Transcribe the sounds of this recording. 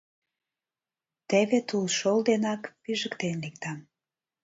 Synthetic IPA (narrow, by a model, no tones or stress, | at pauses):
t̪eβet̪ulʃold̪enɑkpyʒəkt̪enlik̚t̪ɑm